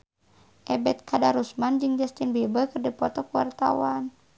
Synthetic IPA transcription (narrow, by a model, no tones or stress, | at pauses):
ʔɛbɛt̪̚kʰadaɾusmand͡ʒɨŋd͡ʒast̪inbɛbakɨrdəpɔt̪ɔkuwa̰rt̪a̰wan